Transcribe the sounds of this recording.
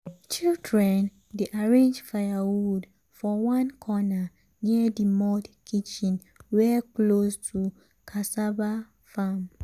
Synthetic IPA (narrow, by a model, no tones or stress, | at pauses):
t͡ʃildɹɛ̃n | deʔaɹẽnd͡ʒfajawwud | fɔwãnkʰɔna | niədimɔdkʰit͡ʃĩn | wɛklostʰu | kʰasaba | fam